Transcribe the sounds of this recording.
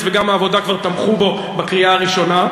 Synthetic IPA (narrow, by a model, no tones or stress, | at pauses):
tveɡamaːvo̞dakvaʁt̪amχubo̞ | bakʁiaaʁiʃo̞na